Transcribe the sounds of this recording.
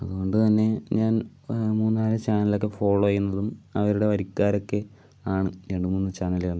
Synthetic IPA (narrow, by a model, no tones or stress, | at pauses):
ɐðuɣo̞ɳɖɨt̪ɐnːe̞ɲaːn | muːnːaːlɨt͡ɕaːnɐlokːefo̞ːɭːoːɐjunːɐðumɐʋɐɾuɽe̞ʋɐɾikːaːɾo̞kːe̞ | aːɳɨɾe̞ɳɖɨmuːnːɨt͡ɕaːnɐljaɳɖɨ